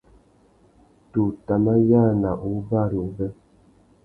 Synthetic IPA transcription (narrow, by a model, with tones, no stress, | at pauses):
tu˨ta˨ma˦ja˦˨na˨ʔu˦ba˦˨ɾu˨bə˦